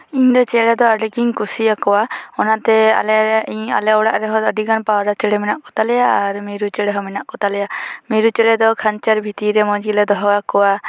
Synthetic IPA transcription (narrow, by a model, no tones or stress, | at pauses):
iɲd̪ɔt͡ʃɛɽɛd̪ɔəɾlikiɲkusiakɔwaɔnat̪ɛa̰lɛiɲa̰lɛɔɽa̰ʔɾɛɦɔəɖiɡanpawɾat͡ʃɛɽɛmɛnaʔkɔ̥t̪alɛjaːɾmiɾut͡ʃɛɽɛɦɔmɛnaʔkɔt̪alɛjamiɾut͡ʃɛɽɛd̪ɔkʰant͡ʃaɾbʱit̪iɾɛmɔd͡ʒilɛd̪ɔɦɔakɔwa